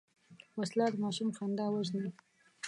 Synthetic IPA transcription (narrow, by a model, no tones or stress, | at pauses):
waslɑd̪mɑʃumxɑnd̪ɑwəzni